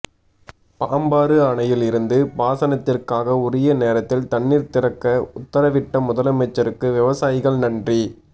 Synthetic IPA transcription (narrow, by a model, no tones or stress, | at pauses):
paːmbaːɾɯɐɳɐjɪlɪɾɯnd̪ɯbaːsɐnɐt̪ːɪrkaːɣɐʊɾɪjɐneːɾɐt̪ːɪlt̪ɐɳːiːɾt̪ɪɾɐkːɐʊt̪ːɐɾɐʋɪʈːɐmʊðɐlɐmɛt͡ʃːɐɾɯkːɯʋɪʋɐsaːjɪɣɐɭnɐndri